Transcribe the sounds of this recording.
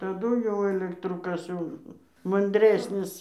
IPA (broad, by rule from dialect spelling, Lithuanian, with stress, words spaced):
tɐˈdʊ ˈjɛʊ ɛlʲɛkˈtrʊ ˈkɐs jɛʊ mɐnʲˈdʲrʲeːsʲnʲɪs